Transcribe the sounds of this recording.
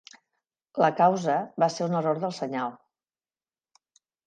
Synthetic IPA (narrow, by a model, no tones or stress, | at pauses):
ləkawzəβaseɾunəroɾðəlˠsəɲalˠ